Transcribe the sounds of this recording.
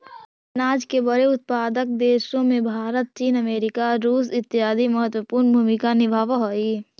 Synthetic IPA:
naːd͡ʒkebəɾeʊt̪̚paːd̪ək̚d̪eːʃõmẽbʱaːɾət̪̚t͡ʃiːnəmeːɾɪkaɾuːs̬ɪt̪ːɪɦaːd̪ʱiməɦət̪wəpuːɾnbʱuːmɪkanɪbʱaːʋɦoi

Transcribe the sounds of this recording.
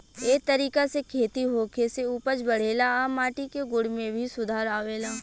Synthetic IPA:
eːk̚t̪ɐɾiːkasekʰeːt̪iɦoːkʰeseuːpət͡ʃbɐɽ̤eːlaamaːʈikeɡʊɽmẽbʱisʊd̪ʱaːɾaːʋeːlaː

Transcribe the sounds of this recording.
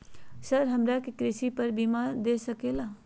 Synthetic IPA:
sɐɾɦɐmɾakikɾɪsipɐɾbiːmaːɾd̪eːsɐkeːlaː

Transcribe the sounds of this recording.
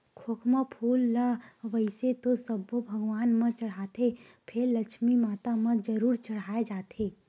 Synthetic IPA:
kʰoːkmapʰuːlːaʋəɪset̪osəbobʱəɡʋaːnmə̃t͡ʃəɽ̤at̪e | pʰɪɾləkʃmimaːt̪amə̃d͡ʒəɾuːɾt͡ʃəɽ̤aːed͡ʒaːt̪ʰeː

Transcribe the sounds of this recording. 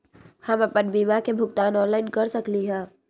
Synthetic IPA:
həməpənbiːmakebʱʊɡt̪aːnɔːnlaːɪnkəɾsəkliɦɛ̃ː

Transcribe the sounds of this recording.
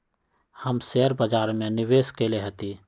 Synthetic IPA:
həmseəɾbəd͡ʒaːɾmẽnɪʋeːskeleɦət̪i

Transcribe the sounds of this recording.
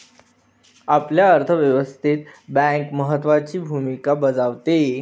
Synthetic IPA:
apljaəɾt̪ʰəʋjəʋəst̪ʰit̪bɛ̃ŋkməɦət̪ːʋat͡ɕiːbʱumikabəd͡zaʋt̪e

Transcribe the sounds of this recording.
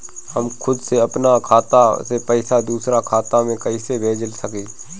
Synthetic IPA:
həmkʰʊd̪seɐpnakʰaːt̪asepɛɪsad̪uːsɾakʰaːt̪amẽkɐisebʱeːd͡ʒəlsəkiː

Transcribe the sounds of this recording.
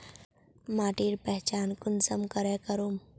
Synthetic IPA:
maːʈiːɾpɛɦt͡ʃaːnkʊnsəmkəɾekəɾum

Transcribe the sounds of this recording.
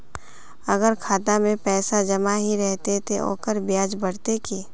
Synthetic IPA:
ɐɡəɾkʰaːt̪amẽpɛːsad͡ʒɐmaɦiɾɛɦt̪et̪ʰeʔo̰ːkəɾbjaːd͡ʒbɐɽ̤t̪ekeː

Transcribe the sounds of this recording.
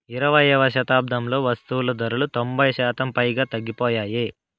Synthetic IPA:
iɾɐʋɐjɛʋɐʃɐt̪aːb̚d̪ʱɐmlo̞ːʋɐst̪uwulɐd̪ɐɾulut̪o̞mbʱɐjʃaːt̪ɐmpɐjɡaːt̪ɐɡːipɔːjaːjeː

